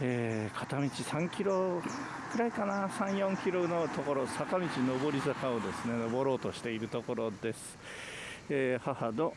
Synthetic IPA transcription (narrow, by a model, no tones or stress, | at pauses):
eːkʰat̪amʲit͡ɕisãŋkʲiɾo̞ | kɯ̟ɾaikanasãɰ̃jõ̞ŋkʲiɾo̞no̞t̪o̞ko̞ɾosakamʲit͡ɕino̞bo̞ɾʲizakao̞d̪e̞sɨne̞no̞bo̞ɾo̞ːt̪o̞ɕi̥t̪e̞iɾɯ̟t̪o̞ko̞ɾo̞d̪e̞sɨ̥ | eːhahano